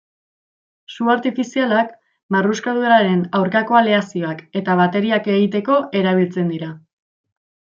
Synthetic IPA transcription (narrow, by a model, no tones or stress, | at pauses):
suaɾt̪ifisialak | maruskaðueɾaɾe̞nawɾkako̞aleasio̞ake̞t̪aβ̞at̪e̞ɾiake̞ɣit̪e̞ko̞ʔe̞ɾaβ̞ilt͡se̞nd̪iɾa